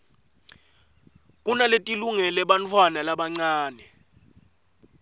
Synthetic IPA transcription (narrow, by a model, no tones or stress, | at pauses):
kʼunaletʼiluŋɛlɛɓant͡fʰwanalaɓaŋ͡ǀaːnɛ